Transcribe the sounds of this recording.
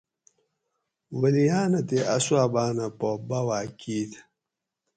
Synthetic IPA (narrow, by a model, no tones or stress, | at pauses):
wəlijaːnɐt̪eʔaswaːbaːnapobawaːkiːt̪ʰ